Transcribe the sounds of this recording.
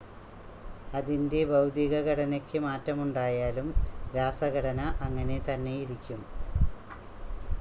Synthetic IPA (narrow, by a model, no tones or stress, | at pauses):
ɐðinde̞bɐwd̪iɣɐɣɐɽɐnɐkʲːɨmaːtːɐmuɳɖaːjaːlumɾaːsɐɣɐɽɐnɐʔɐŋːɐne̞t̪ɐnːe̞jiɾikʲːum